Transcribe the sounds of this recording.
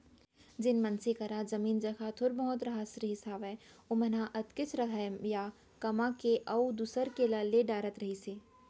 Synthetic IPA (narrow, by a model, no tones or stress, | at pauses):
d͡ʒɪnmɐnsekɐɾazɐmiːnd͡ʒɐkʰat̪ʰʊɾbɐɦɔt̪ɾɐɦasɾiɦɪsaːbɦɛːʊmənaʔɐt̪kɪt͡ʃʰɾɐɦamja | kɐmakeʔɐwd̪usəɾkelaːleɖaːɾət̪ɾɐɦiseː